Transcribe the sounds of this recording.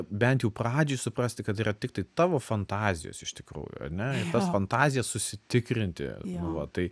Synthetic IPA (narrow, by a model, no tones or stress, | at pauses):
bʲɛnʲt̪jɛʊprɑːd͡ʒʲojsʊpɾɐsʲt̪ʲɪkɐt̪iːrɐt̪ʲɪk̚t̪ɐɪt̪ɑːʋoːfɐnt̪ɑːzʲɪ̰jo̰ːsɪʃt̪ʲɪ̥kɾṵːjʊ̰ɐ̰rnʲɛɪrt̪ɐsfɐnt̪ɑːzʲɪjɛssʊsʲɪt̪ʲɪkɾʲɪnʲt̪ʲɪ̰nʊʋɐt̪ɐɪ